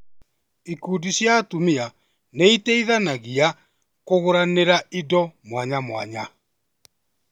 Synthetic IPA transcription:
ikuːdiɕjatumia | neiteiðanaɣia | koɣoɾaneɾaʔidɔmwaɲamwa̰ɲa

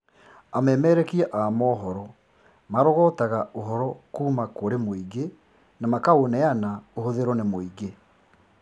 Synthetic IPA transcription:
amɛːmɛːɾɛkiɛʔamɔːɦɔɾɔ | maɾɔɣɔːtaɣaoɦɔɾɔkuːmakoɾemoiɣe | namakaonɛanaoɦoðeɾɔnemoiɣe

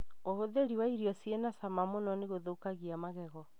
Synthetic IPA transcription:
oɦoðeɾiwaiɾiɔsienasamamonɔneɣoðoukaɣiamaɣɛɣɔ

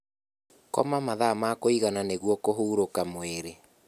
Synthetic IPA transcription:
kɔ̰mamaðamakoiɣananeɣwɔkoɦuːɾokamoeɾe

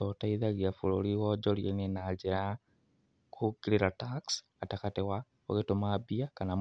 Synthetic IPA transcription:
otaiðaljafuloliwod͡ʒoljeninaɟeɾa | kuɡiɾiɾataks | atakatewa | o̰ɣetomabiakanam

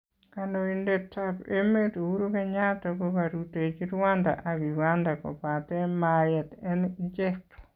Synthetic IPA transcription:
kanoindetapemetuuɾukɛɲatɔkukaɾutet͡ʃiɾwanda̰ʔakiɡandakɔ̰patɛmajɛtɛnid͡ʒɛkto̥

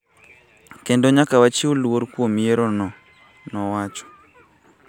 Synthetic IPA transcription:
kendoɲakawat͡ʃiuluoɾkwomjeɾɔnɔ | nɔwat͡ʃɔ̥

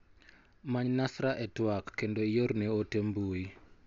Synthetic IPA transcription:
maɲnasɾaʔɛtwakːendoijoɾneotembui

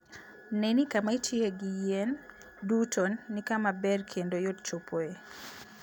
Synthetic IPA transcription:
nenikamaitjeɡijen | dutʰonːikamabɛrkʰendojodt͡ʃopʰoe

